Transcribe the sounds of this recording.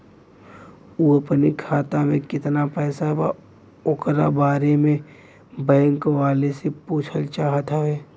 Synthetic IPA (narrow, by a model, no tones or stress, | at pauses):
uːəpənikʰaːt̪amẽkɪt̪napɛːsaba̰ | ʊkɾabaːɾemẽ | bɛ̃ːŋkʋaːlesepuːt͡ʃʰəlt͡ʃaːɦət̪ɦaɦɛː